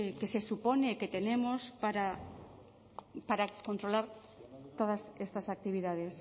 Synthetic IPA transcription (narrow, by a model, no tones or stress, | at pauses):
kesesuponeːket̪enemospaɾa | paɾakont̪ɾolaɾ | t̪oðasest̪asak̚t̪iβ̞iðað̞es